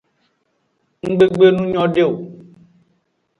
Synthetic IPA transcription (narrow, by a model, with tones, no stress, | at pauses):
ŋ̩˦ɡ͡be˦ɡ͡be˦nũ˦ɲɔ̃˦ɖe˦˨o˨